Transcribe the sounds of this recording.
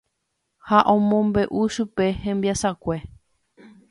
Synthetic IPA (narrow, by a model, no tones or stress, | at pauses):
haʔõmõmbe̞ʔuʃupe̞hẽmbiasakʷe̞